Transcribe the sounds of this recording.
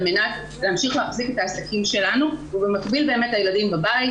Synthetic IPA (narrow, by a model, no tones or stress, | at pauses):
lmenat | leamʃiχleaχzike̞taːsakʰimʃe̞lanuvubemakbilbeːme̞thajeladimbabai